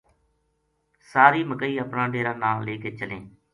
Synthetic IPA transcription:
saːɾiːməkəiːəpnãːɖeːɾaːnãːleːkeːt͡ʃəlẽː

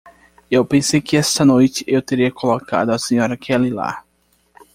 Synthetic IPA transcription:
ewpẽsejkɪɛst̪ɐnojt͡ʃɪ̥ʔewt̪eɾiɐkoloka̰d̪ʊɐsẽɲɔɾɐkʰɛlila̰

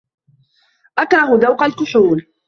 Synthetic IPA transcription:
ʔakɾˤɑɦʊðawqalkʊħuːl

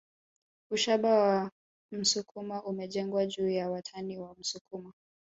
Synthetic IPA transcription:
uʃaɓawa | m̩sukʰumaʔumɛʄɛŋɡwaʄuːjawatʰaniwam̩sukuma

